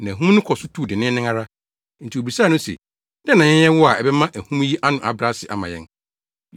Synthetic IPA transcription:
nã˨æ˨ɦũ˦m˦nʊ̃˦kʰɔ˨sʊ˦tʰuː˦˨dɪ˨nɪ̃˦nɪ̃˦a˦ɾa˦ | n̩˨tʰi˨o˨bɾi˨saː˦nʊ̃˦sɛ̰˨ | dɛ˦nã˨ɛ̃˦jɛ˦wɔ˦a˨ɛ˨bɛ˦mã˦ʔæ˨hũ˦m˦ji˦ʔa˦nʊ̃˨ʔa˨bɾa˦sɪ̰˨ʔa̰˨mã̰˨jɛ̰˦n

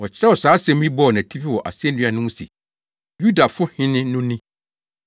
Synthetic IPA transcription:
wɔ˨t͡ɕʰɪ˦ɾɛ˦wɔ˨saː˨˦sɛ̃˦m˦ĩ˦bɔ˦˨ɔ˨nã˨tʰi˦pʰi˦˨wɔ˨ʔa̰˨sɛ˦n˦dᶣɪ̃˦a˨nʊ̃˦ʊ̃˦sḭ˨ | ju˦da˨fʊ˦hɪ̃˦nɪ̃˦nʊ̃˦nĩ˦

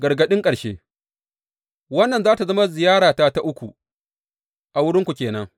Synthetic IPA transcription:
ɡɐ˨ɾɡɐ˦ɗɪ˦ŋkʼɐ˨ɽʃḛː˦ | wɐ˦nːɐ˨nzaː˦ta˨zɐ˦ma˦zɪ˨jaː˦ɽaː˨taː˦ta˦ʔʊ˦kʷu˨ | ʔa˨wʊ˦ɽɪ˦ŋkʷu˨kʲeː˨nɐ˦ŋ

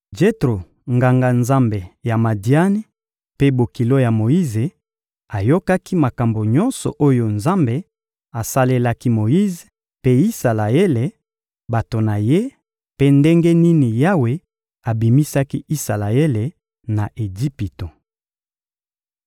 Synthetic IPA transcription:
d͡ʒe˦tʁo˨ | ŋɡa˨ŋɡa˨nza˦mbe˨ja˨ma˨di˨a˦ne˦ | pe˦bo˨ki˨lo˦ja˨mo˨ji˦ze˨ | a˨jo˦ka˦ki˦ma˨ka˨mbo˨ɲɔ˦nsɔ̰˨ʔo˦jo˨nza˦mbe˨ | a˨sa˦le˦la˦ki˦mo˨ji˦ze˨ | pe˦i˦sa˨la˨e˦le˨ | ba˨to˨na˨je˦ | pe˦nde˦ŋɡe˦ni˦ni˨ja˦we˨ | a˨bi˨mi˦sa˦ki˦i˦sa˨la˨e˦le˨ | na˨ʔe˨ɡi˦pi˨to˨

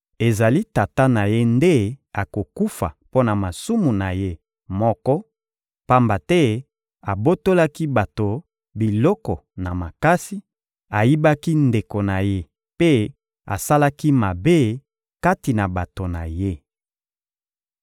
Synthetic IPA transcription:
e˨za˨li˦ta˨ta˦na˨je˦nde˦a˨ko˨ku˦fa̰˨po˦na˨ma˨su˦mu˨na˨je˦ | mɔ˦kɔ˦ | pa˦mba˨tɛ˦ | a˨bo˦to˦la˦ki˦ba˨to˨ | bi˨lɔ˦kɔ˨na˨ma˨ka˦si˦ | a˨ji˦ba˦ki˦nde˨ko˨na˨je˦ | pe˦ | a̰˨sa˦la˦ki˦ma˨be˦ | ka˦ti˨na˨ba˨to˨na̰˨je˦

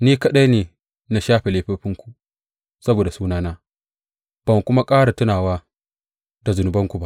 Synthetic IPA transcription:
niː˦ka˦ɗa˦neː˨ | na˨ʃaː˦ɸe˨leː˨ɸe˦ɸɪ˦ŋkʷu̥˨ | sɐ˦boː˨da˨suː˦naː˦naː˦ | b̥ɐ˨ŋ˨kʷʊ˦ma˦kʼaː˦ɽa˨tʊ˦naː˨waː˦ | da˨zʊ˨nʊ˨bɐ˦ŋku˨ba˦ʔ

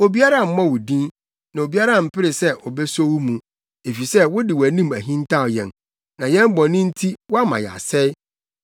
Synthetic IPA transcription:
o˨bi˦a˦ɾa˦˨m̩˦mã˦wʊ˨dĩ˦n | nã˨o˨bi˦a˦ɾã˦˨m̩˨pʰɪ˦ɾɪ˨sɛ˦ʔɔ˨bɛ˦so˦wu˦mũ˨ | e˨fi˨sɛ˦wʊ˦dɪ˨wæ˨nĩ˦mæ˨ɦĩ˦n˦tʰa˦˨jɛ̰̃˨n | nã˨jɛ̃˦m˦bɔ̃˨nĩ˦n̩˦tʰi˦wɔ˦a˦mã̰˨jɛ̰˨a̰˨sɛ˦j

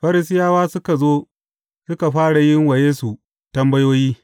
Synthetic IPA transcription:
ɸɐ˦ɾɪ˦s̬ɪ˦jaː˦waː˦sʊ˦ka˨zoː˦ | sʊ˦ka˨ɸaː˦ɽa˨jɪ˦ŋwɐ˨jeː˦su˨ | tɐ˦mbɐ˦joː˦jiː˦

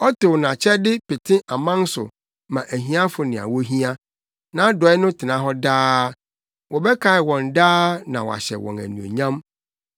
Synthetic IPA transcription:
ɔ˦tɪ˨wnã˨t͡ɕʰɛ˦dɪ˦pe˨tʰɪ̃˦ʔa˨mã˦n˦sʊ̰˨ | mã˨ʔæ˨ɦĩ˦a˦fʊ˨nɪ̃˨a̰˨wɔ˦ɦĩ˦a˦ | nã˨˦dɔ˨ɛ˦nʊ̃˦tʰɪ˨nã˨˦ɦɔ˦daː˦ | wɔ˨bɛ˦kʰa˨ɪ˨wɔ̃˨ndaː˦nã˨wɔ̰˨a̰˨ɕɛ̰˨wɔ̰̃˨næ̰˨nũ˨o̰˨ɲã˦m

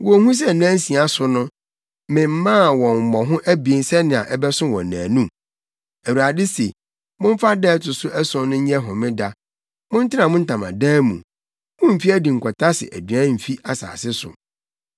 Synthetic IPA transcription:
wɔ˨˦hũ˦s̬ɛ˦˨n˦ã˦n̩˦sĩ˨a˦sʊ˨nʊ̃˦ | mɪ̃˨m̩˦mãː˦˨wɔ̃˨m˨mɔ̃˨ɦʊ̃˦ʔæ˦bi˨e˦nsɛ˦nɪ̃˨a̰˨ʔɛ˦bɛ˦sʊ̃˦wɔ̰̃˨nːãː˨nũ˦ | æ˨wu˨a˨dɪ˦se˨ | mʊ̃˦m̩˦fa˦dɛ˦tʰʊ˨sʊ˦ʔɛ˦sʊ̃˦nʊ̃˦ɲ̩˦ɲɛ˦ɦʊ̃˨mɪ̃˦da˦ | mʊ̃˦n̩˦tʰɪ˦nã˨mʊ̃˦n̩˦tʰã˨mã̰˨dɛː˦mṵ̃˨ | mʊ̃˦m̩˨fi˦æ˦di˨ŋ̩˨kʰʷɔ˨tʰa˦sɪ̰˨ʔæ̰˨dɥã˦m̩˨fi˦a˨sa̰ː˨sɪ˦sʊ̰˨

